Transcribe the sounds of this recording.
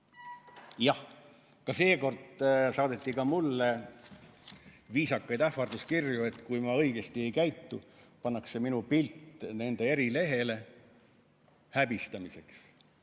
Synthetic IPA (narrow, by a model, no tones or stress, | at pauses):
jɑh | kɑse̞ːko̞rd̪̥sɑːd̪e̞t̪ˑːikɑmulːe̞ | viːsɑkːɑjd̪æɑrd̪̥uskirjue̞t̪ːˑkujmɑɤ̞jɡ̥e̞st̪ie̞jkæjt̪ːupɑnːɑkse̞minupilt̪ːne̞nd̪e̞eɾile̞ɦe̞le̞ | hæbist̪ɑmise̞ks